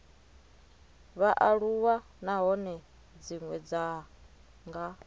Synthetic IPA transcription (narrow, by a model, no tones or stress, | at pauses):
βaʔaɺuwa | naɦɔnɛ | d͡ziŋwɛd͡za | ŋɡa